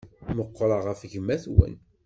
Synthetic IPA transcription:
məqːɾˤɑʁəfʝəmːæθwə̰n

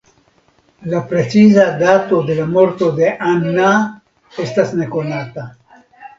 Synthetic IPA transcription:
lapɾet͡sizad̪at̪od̪elamoɾt̪od̪eʔanːa | est̪asnekonat̪a

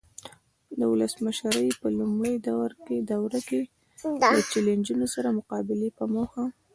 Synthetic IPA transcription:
d̪əwʊləsməʃɾəjpəlumɽəjd̪awɾked̪awɾake | lət͡ʃelend͡ʒunosaɾamʊqɑbɪlepəmoxa

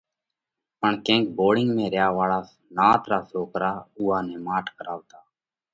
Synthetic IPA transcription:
pəɳkẽːk̚boːɽɪŋɡmẽːɾjaːʋaːɭaːs | naːt̪ɾaːsoːkɾaːʊːɦaːnẽːmaːʈkəɾaːʋt̪aː

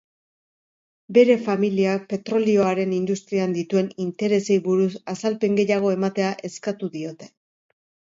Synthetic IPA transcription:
be̞ɾe̞familiape̞t̪ɾo̞lio̞aɾe̞nind̪ust̪ɾiand̪it̪ue̞nint̪e̞ɾe̞se̞jβuɾusasalpe̞ŋɡe̞jaɣ̞o̞e̞mat̪e̞aʔe̞skat̪uðio̞t̪e̞̥

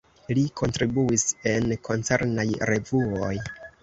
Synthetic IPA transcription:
likʰo̞ntɾibuise̞nkʰo̞nt͡se̞ɾnajɾe̞vuo̞̰j

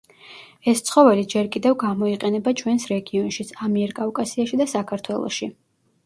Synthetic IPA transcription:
ɛst̪sʰχɔvɛlid͡ʒɛɾkʼid̪ɛvɡamɔiqʼɛnɛbat͡ʃʰwɛnsɾɛɡiɔnʃit̪sʰamiɛɾkʼavkʼasiaʃid̪asakʰaɾt̪ʰwɛlˠɔ̰ʃi

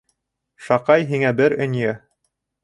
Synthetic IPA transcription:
ʃɑqɑjɦiŋæbɘɾɵ̆njɘ

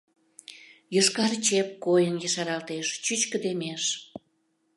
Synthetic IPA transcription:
jəʃkɑrt͡ɕep̚kojənjəʃɑɾɑlt̪eʃt͡ɕyt͡ɕkə̆d̪emeʃ

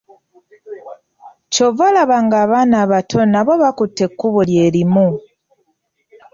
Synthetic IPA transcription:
covolaβaŋɡaːβanaβatʰo̞naβo̞βakutːe̞kːuβoljeɾimu

